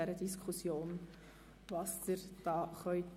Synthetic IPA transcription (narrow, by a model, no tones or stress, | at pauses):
ɛɾədiskʰχusjoːn | vɑsd̥əɾd̥ɑːχœʏt